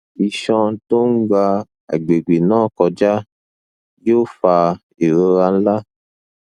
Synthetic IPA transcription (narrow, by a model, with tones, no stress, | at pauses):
i˧ʃɔ̃˧to˦ŋ̩˦ɡ͡ba˧ | a̰˨ɡ͡be˨ɡ͡be˨nãː˦˨kɔ˧d͡ʒa˦ | jo˦fa˧ | e˨ɾe˧ɾa˧n̩˦la˦